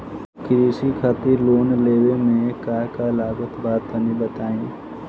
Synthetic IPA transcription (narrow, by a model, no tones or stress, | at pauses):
kɾiːsikʰaːt̪iloːnleːwemẽkaːkalaːɡət̪baːt̪ənibət̪aːĩː